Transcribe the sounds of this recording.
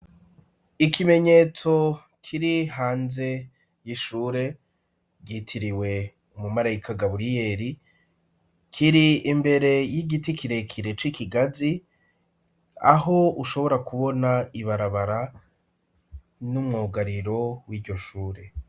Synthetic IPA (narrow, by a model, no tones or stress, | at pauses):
ikime̞ɲe̞ːt͡so̞ | kʰiɾihaːnze̞ | jiʃuːɾe̞ | ɟitʰiɾiwe̞ | umumaɾajikaɡaβuɾije̞ɾi | kʰiɾiːmbe̞ɾe̞jiɡitikiɾe̞kʰiɾe̞t͡ʃikiɡazi | a̰ho̞uʃo̞βo̞ɾakuβo̞naiβaɾaβaɾa | numŋoːɡaɾiɾo̞wiːɾɟo̞ʃuːɾe̞